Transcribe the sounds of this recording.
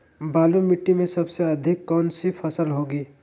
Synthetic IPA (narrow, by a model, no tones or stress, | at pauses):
baːlumɪʈːimẽsɐbseɐd̪ʱɪkːɔːnsipʰəsəlɦoːɡiː